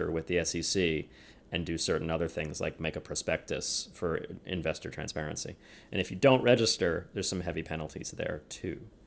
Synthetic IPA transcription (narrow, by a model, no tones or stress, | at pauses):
ə̰˞wɨðiɛsisi | ɨ̃ndɨsɜ˞ʔn̩ʌðə˞θɪ̃ŋz̥la̰ɪk̚meɪkəpʰɹ̥ɑspɛk̚tɨ̰sfə˞ɪ̰̃ɱvɛstə˞tʰɹ̥æ̰̃nspɛɹɨ̃nsḭ | ʔɨ̃ñɨfjɨdõʊ̃nʔɹɛd͡ʒɨstə˞ðə˞z̥sʌ̃mɦɛvipʰɛnl̩ˠtʰḭz̥ðə̰˞tʰʉ